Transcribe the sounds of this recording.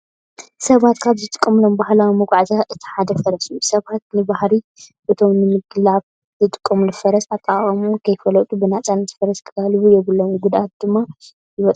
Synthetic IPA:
sɐβat̪kʰaβzɨt̪ʼɨ̥kʼːɐmlombahlawimɐɡʷʼaʕzaʔɨt̪ʰi̥ħad̪ɐfɐɾɐsjusɐβat̪̚nɨbahɾi | bɨt̪ʰo̞mnɨmɨɡlaβ | zɨt̪ʼɨ̥kʼːɐmulɨfɐɾɐsat̪ʼːaχʼɐmukʰɐjfɐlɐt̪ʼubɨnat͡sʼanɐt̪ʰɨfɐɾɐskʰɨkʰalɨβujɛβɨlːomɡud̪ʔat̪̚d̪ɨmːa | jɪβɐt̪ʼ

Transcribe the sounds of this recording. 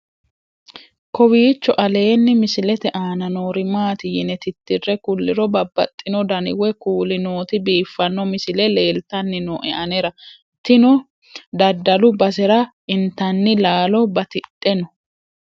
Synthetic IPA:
kɔwiːt͡ʃːɔʔɐle̞ːnːɪmɪsɪlɛt̪ɛʔaːnɐnoːɾɪmaːt̪ɪjɪnɛt̪ɪt̪ːɪrːɛkʊlːɪɾɔbɐbːɐ̰t̪ʼːɪnɔd̪ɐnɪ̰wɛkuːlɪnoːt̪ɪbiːfːɐnːɔmɪsɪlɛle̞ːlt̪ɐnːɪnɔʔɛʔɐnɛɾɐ | t̪ɪnɔ | d̪ɐd̪ːɐlʊbɐs̬ɛɾɐʔɪnt̪ɐnːɪlaːlɔbɐt̪ɪtʼːɛnɔ

